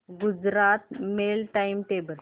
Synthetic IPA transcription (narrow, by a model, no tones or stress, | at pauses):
ɡud͡ʑɾat̪melʈaimʈebəl